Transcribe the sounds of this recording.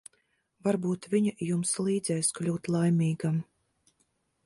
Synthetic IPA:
vaɾbuːt̪vʲiɲajumslˠiːd̪zɛjsklʲuːt̪lˠajmʲiːɡam

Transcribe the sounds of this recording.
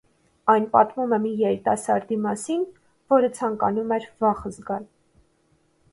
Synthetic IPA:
ɑjnpɑt̪mumɛmijɛɾit̪ɑsɑɾd̪imɑsin | vɔɾət͡sʰɑŋkɑ̰numɛɾvɑχəzɡɑl

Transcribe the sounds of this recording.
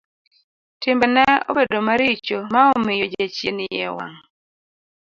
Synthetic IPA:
tɪmbɛnɛo̰bedomaɾɪt͡ʃomaɔmɪjod͡ʒat͡ʃjenɪjɛwa̰ŋ

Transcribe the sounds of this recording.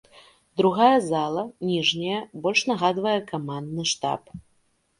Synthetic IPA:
d̪ɾuɣajɐzalˠɐnʲiʐnʲɐjɐbɔlʲʂnaɣad̪vɐjɛkamand̪nɨʂt̪a̰p

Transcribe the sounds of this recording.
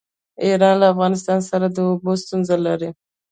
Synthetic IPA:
iɾɑnlaafɣɑnɪs̬t̪ɑnsaɾad̪əobost̪unzalaɾi

